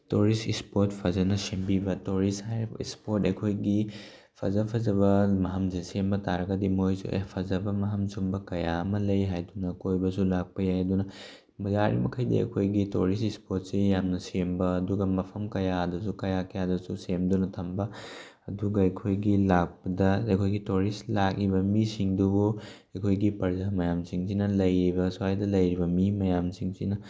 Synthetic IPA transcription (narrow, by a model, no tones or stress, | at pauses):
toɾisispotpʰɐzɐnɐsembibɐtoɾisaḭspoɾtekʰojɡi | pʰɐ̰zɐpʰɐzɐβɐmɐɦɐmzisimbɐtaɾɐɡɐdimojzṵʔḛpʰɐzɐbɐmɐɦɐmzumbɐkɐjamɐlɐjɦajdunɐkojbɐzulaɡ̚pɐjajdunɐ | mɐzaɾḭmɐkʰɐjd̪ḛkʰojɡito̰ɾisispoɾt̚sijamnɐsembɐːduɡɐmɐpʰɐmkɐjadɐsukɐjakɐjadɐsusemdunɐtʰɐmbɐ | ɐduɡɐɐjkʰojɡilak̚pɐdɐɐjkʰojɡitoɾislak̚ibɐmisiŋdubu | ɐjkʰojɡipɐɾzamɐjamsiŋsinɐlɐjɾibɐsuhajdɐlɐjɾibɐmimɐjamsiŋsinɐ